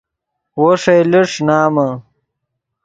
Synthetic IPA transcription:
woʂejliʂnaːmɐ

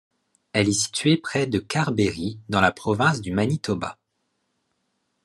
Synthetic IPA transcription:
ɛlɛsi̥t̪ɥepχɛd̪əkaʁbeʁid̪ɑ̃lapχɔvɛ̃sd̪ymanit̪ɔba̰

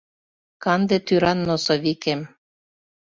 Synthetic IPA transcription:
kɑnd̪et̪yɾɑnːosoβikem

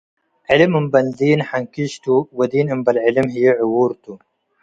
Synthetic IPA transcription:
ʕɪlɨmɨmbɐnziːnħaŋkiʃt̪uwɐd̪iːnɨmbɐlʕɪlɪmɦijeʕʊwuɾt̪u

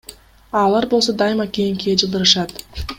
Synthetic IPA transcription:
ɑlˠɑɾbo̞lˠso̞d̪ɑjmɑkijiŋkiɡed͡ʒɯlˠd̪ɯɾɯʃɑt̪

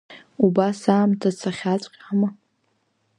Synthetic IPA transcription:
ubasaːmtʰat͡sʰaχʲat͡ɕʷʼqʲʼama

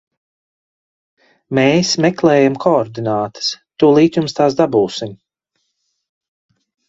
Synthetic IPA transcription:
meːsmɛklˠɛːjamkʰɔɔɾd̪inaːt̪ə̥st̪uɔlˠiːt̪jumst̪aːs̬d̪abuːsim

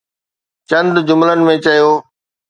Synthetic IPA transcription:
t͡ɕɐ̃nd̪d͡ʑʊmlənɪ̆mẽt͡ɕɐjoː

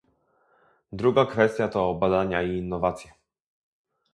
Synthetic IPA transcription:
d̪ɾuɡakfɛst̪ʲjat̪ɔbad̪aɲaiːnːɔvat̪sʲjɛ

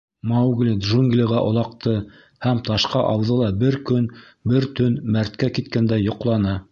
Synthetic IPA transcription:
mawɡlʲid̪ʒuŋɡlʲɪʁæʔŏlˠɑqt̪ɤ | hæmt̪ɑʃqɑʔɑwðɤlˠɑbɘɾkɵn | bɘɾt̪ɵnmæɾt̪kækit̪kænd̪æjŏqlˠɑnɤ

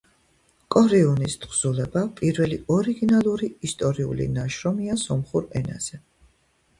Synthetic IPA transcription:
kʼɔɾiunist̪χʰz̥ulɛbapʼiɾvɛliɔɾiɡinalˠuɾiist̪ʼɔɾiṵlḭnaʃɾɔmiasɔmχuɾɛna̰z̥ɛ

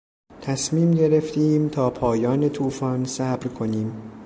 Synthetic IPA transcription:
t̪ʰæsmiːmɟe̞ɾe̞ft̪ʰiːmt̪ʰɒːpʰɒːjɒːnet̪ʰuːfɒːnsæːbɾkʰo̞niːm

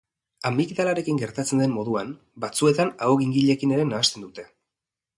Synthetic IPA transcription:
amikd̪alaɾe̞kiŋɡe̞ɾt̪at͡se̞nd̪e̞mːo̞ðuan | bat͡sue̞t̪anaoɣiŋɡiʎe̞kine̞ɾe̞naːst̪e̞nd̪ut̪e̞

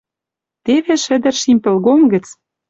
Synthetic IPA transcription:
t̪eβeʃɘ̆d̪ə̆rʃimpɘ̆lɣomɡə̆t͡s

